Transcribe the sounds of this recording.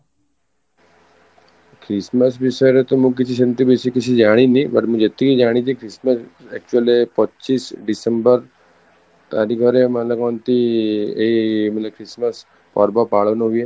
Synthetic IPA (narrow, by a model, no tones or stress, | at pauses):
kʰɾɪsməsbisəɾet̪omũk̬ɪt͡ʃʰiʃɐnt̪ibesikɪt͡ʃʰid͡ʒaːɽ̃inĩbɐʈmũd͡ʒet̪ikid͡ʒaːɽ̃it͡ʃʰikɾɪsməsɛk̚t͡ʃuəlepɐtːt͡ʃiːsɖɪsəmbəɾ | t̪aːɾiɡʱɔɾemɐt̪ləkɔnt̪iemɐt̪ləb̚kʰɾɪsməs | pɔ̰ɾbapaːɭʋnoɦue